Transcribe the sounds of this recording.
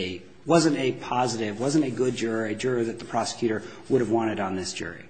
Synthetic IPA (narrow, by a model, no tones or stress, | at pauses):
ɪ | wʌzɨ̃ntɨpʰɑzɨɾɪvwʌzɨ̃nɨɡʊd̚d͡ʒʊɹɨd͡ʒʊɹoðɨt̪̚ðəpʰɹ̥ɑsə̥kʰj̥ʉɾə˞wʊɾɨvwɑ̃ɾ̃ɨɾn̩ðɪsd̥ʒ̥ʊ̰ɹḭ